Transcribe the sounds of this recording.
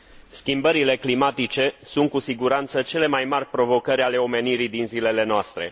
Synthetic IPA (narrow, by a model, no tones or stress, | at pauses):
skʲimbəɾile̞klimat̪it͡ʃe̞sunt̪̚kusiɡuɾant̪sət͡ʃe̞le̞majmarʲpɾo̞vo̞kəɾʲale̞o̞me̞niɾid̪inzile̞le̞noast̪ɾe̞̰